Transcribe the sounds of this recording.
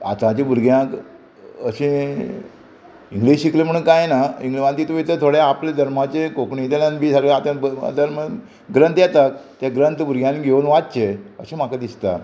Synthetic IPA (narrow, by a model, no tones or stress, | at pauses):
a̰t̪ãt͡ɕebuɾɡjãk | əɕĩ | iŋɡliɕiklemʰəɽ̃uːnkajnaiŋɡʋãnt̪it̪uʋit̪ət̪ʰoɽeapled̪ʱəɾmat͡ɕekokɳit̪elãnbʱisaɾɡat̪ãəa̰d̪aɾmə | ɡɾənt̪jɛt̪akt̪aɡɾənt̪buɾɡjãniɡʱeunʋat̪t͡ɕeəɕẽmakad̪ist̪a